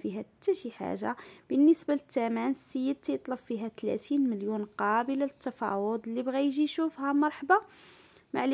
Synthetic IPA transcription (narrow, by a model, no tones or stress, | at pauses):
fiɦæt̪ːæʃiħa̰ʒːa̰bənːəsbalət̪ːæmænsəjːəd̪̚t̪jət̪ˤləbfiɦæt̪læ̰t̪inməljunqɑbəlaət̪ːɑfɑ̰wʊd̪ˤlːibɣæjʒiʃufhæmɑɾˤħbɑ | maʕl